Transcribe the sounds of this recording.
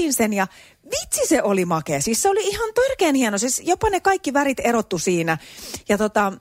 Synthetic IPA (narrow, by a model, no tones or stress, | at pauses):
iːnsenjɑ | ʋit̪siseʔolimɑkesisːeoliihɑnt̪yrkeːnhienosesjopɑnekɑikːiʋærit̪erot̪ːusiːnæjɑt̪ot̪ɑ